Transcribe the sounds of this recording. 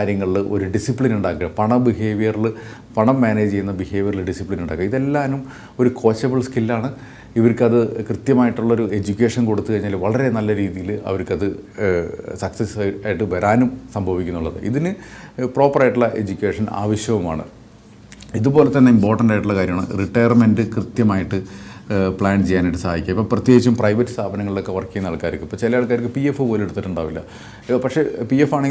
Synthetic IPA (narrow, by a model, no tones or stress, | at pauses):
kaːɾjɐŋːɐɭiʔo̞̰ɾuɖisipɭinuɳɖaːkːɨɣɐpɐɳɐbiɦe̞ːʋijɐrilɨ | pɐɳɐmːaːned͡ʑt͡ɕe̞jːunːɐbihe̞ːʋijɐriɭlɖisipɭinuɳɖaːkːɨɐiðe̞lːaːnum | o̞ɾukʰo̞ːt͡ɕːɐbɐɭskilːaːɳɨ | iʋɐɾkɨɐðɨkrɨt̪jɐmaːjiʈːuɭːɐo̞ɾue̞d͡ʑukʲːe̞ːʂɐnko̞ɽut̪ːukɐɻiɲːaːlʋɐɭɐɾe̞nɐlːɐɾiːðijilɐ̰ʋɐɾkːɐðɨ | sɐksesaːjiʈːɨʋɐɾaːnumsɐmbʱɐʋikʲːunːuɭːɐðɨ̰ʔḭðinɨpro̞ːpːɐraːjiʈːuɭːɐʔe̞d͡ʑukʲːe̞ːʂɐna̰ːʋɐɕjɐʋuma̰ːɳɨ̰ | iðupo̞ːle̞t̪ːɐnːeimpo̞ːrʈːɐndaːjiʈːuɭːɐkaːɾjɐmaːɳɨ̰riʈːɐjɐrmendɨkrɨt̪jɐmaːjiʈːɨ | pɭaːnt͡ɕejːaːniʈːɨsɐaːd̪ikʲːɐmipːoːprɐt̪je̞ːɡit͡ɕːɐmprɐjʋɐtːɨ̥st̪ʰaːbɐnɐŋːɐɭilo̞kːe̞ʋɐrkːijɐnːɐɭkːaːɾikːumipːoːt͡ɕelɐjaːɭk̬ːaːɾikːɨpijefːɨpoːleɽut̪ːiʈːuɳɖa̰ːʋilːɐ̰ | pɐkʂe̞pijefːaːɳeŋɡi